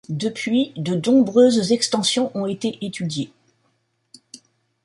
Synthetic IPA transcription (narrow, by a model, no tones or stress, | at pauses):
d̪əpɥid̪ənɔ̃bʁøzzɛkst̪ɑ̃sjɔ̃ʔɔ̃et̪eʔet̪yd̪je